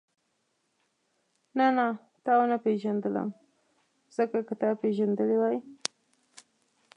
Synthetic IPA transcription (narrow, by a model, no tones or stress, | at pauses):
nana | t̪ɑwnapeʒand̪ələ̰m | z̥əkakat̪ɑpeʒand̪əlewaj